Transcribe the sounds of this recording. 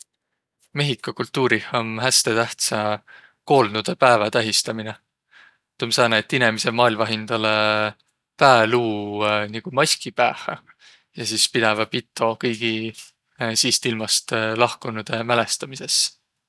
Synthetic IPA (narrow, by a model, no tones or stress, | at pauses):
me̞ɦikːˑɑkult̪ːˑuːɾihonɦæst̪e̞t̪æht̪sɑ | ko̞ːlnud̪̥epæevɑt̪æɦist̪ɑmine | t̪umsɑːnet̪ːinemise̞mɑːlmɑɦind̪̥ɑle | pæeluːniɡ̥umɑsʲkipæ̰hɑ | jɑsiːspid̪̥ɛvɑpit̪ːˑo̞kɤjɡ̥i | siːst̪ilmɑst̪lɑhkunud̪̥e̞mæle̞st̪ɑmise̞s